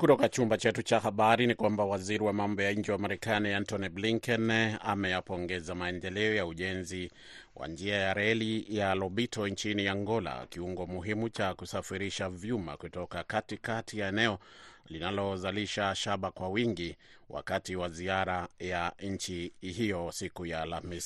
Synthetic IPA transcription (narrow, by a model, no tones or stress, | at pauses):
kutɔkat͡ʃumbat͡ʃɛtut͡ʃahaɓaɾinikwambawaziɾiwamambɔjaɲ̩d͡ʒɛwamaɾɛkaniantɔnibliŋkɛna̰mɛjapɔŋɡɛzamaɛndɛlɛɔjauʄɛnzi | wʔa̰nd͡ʒiajaɾɛlijalɔɓitɔnt͡ʃiniaŋɡɔla̰kiuŋɡɔmuɦimut͡ʃakusafiɾiʃavjuma̰kutɔkakatikatijaɛnɛɔ | linalɔzaliʃaʃaɓakwawiŋɡi | wa̰katiwaziaɾajaɲ̩t͡ʃihijɔsikujaːlamis